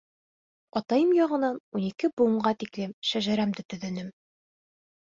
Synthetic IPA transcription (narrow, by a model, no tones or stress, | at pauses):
ɒt̪ɑjɤmjɒʁɤ̆nɑnunikɘbuɤ̆ɴɢɑt̪iklɘmʃæʒæɾæmd̪ɘt̪ɵ̆ðɘ̆nɘm